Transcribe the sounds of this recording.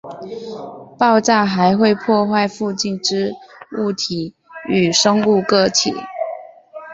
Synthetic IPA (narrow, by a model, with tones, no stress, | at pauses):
pɑ˥˧ʊʈ͡ʂa˥˨xa˨˧˦ɪxwe˥˧ɪpʰwɔ˥˧xwa˥˧ɪfu˥˧t͡ɕi˥˩nʈ͡ʂɻ̩˥u˥˩t̪ʰi˨˩˦ | y˨˩ʂə˥ŋu˥˧kɤ˥˧t̪ʰḭ˨˩˦